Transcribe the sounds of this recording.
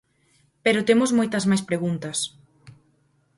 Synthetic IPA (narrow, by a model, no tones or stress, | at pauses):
peɾʊt̪emʊzmojt̪ɐzmajspɾeɣunt̪ɐs